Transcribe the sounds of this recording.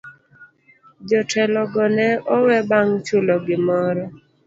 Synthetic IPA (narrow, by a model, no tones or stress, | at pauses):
d͡ʒɔtʰɛlɔɡɔnɛɔwɛbaŋt͡ʃʊlɔɡɪmɔɾɔ